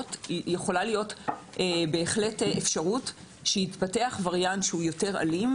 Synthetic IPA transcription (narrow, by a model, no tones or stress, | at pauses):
tjeχo̞lalijo̞t | ʔebe̞ːχle̞tʔefʃaʁut | ʃehitpate̞aχvaʁjanʃeujo̞te̞ʁa̰lim